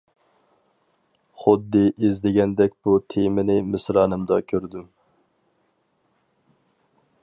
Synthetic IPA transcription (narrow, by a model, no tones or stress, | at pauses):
χʊd̪ːɨʔizd̪ɪɡʲɛnd̪ɛkʲb̥ut̪ʰemɪnɪmɪsɾɑːnɨmd̪ɑkʲʰøɾd̪ym